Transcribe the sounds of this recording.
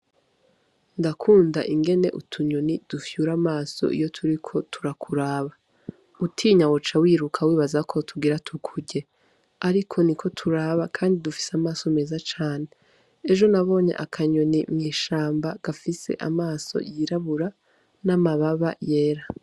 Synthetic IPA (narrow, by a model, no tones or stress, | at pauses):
ndakʰuːndaʔiŋɡe̞ne̞̰ʔutʰuɲo̞nid̥ufjuɾamaːso̞̰ʔḭjo̞tʰuɾikʰo̞tʰuɾakʰuɾaːβa | utʰiːɲawot͡ʃawiːɾukʰawiːβazakʰo̞tʰuɡiɾatʰukʰuɟe̞ | aɾikʰo̞nikʰo̞tʰuɾaːβakʰaːndidufi̥seamaːsome̞ːzat͡ʃaːne̞e | eʒo̞naβo̞ːɲe̞̰ʔakʰaɲo̞nimŋiːʃaːmbaɡ̥afise̞̰ʔa̰maːso̞̰jiɾaβuɾa | namaβaβaje̞ːɾa